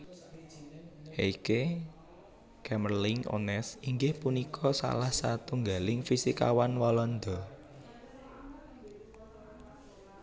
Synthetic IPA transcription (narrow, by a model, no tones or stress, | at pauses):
heike | kɛmərlɪŋo̰nɛsiŋɡɪhpunikʰɔsa̰lahsat̪uŋɡalɪŋfisika̰wanwɔlɔnd̪ɔ